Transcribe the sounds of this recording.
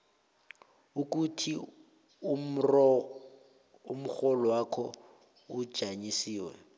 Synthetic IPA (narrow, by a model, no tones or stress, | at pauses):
uk̬ʼutʰi | m̩rɔ | um̩χɔlɔwakʰɔ̰ | ʊ̥ʒ̥ʱaɲisiːwɛ̰